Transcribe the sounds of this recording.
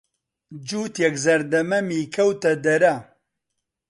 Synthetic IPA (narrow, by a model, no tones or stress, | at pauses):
d͡ʒuːt̪jɛkzɐɾd̪ɐmɐmiːkʰɐwt̪ɐd̪ɐɾɐ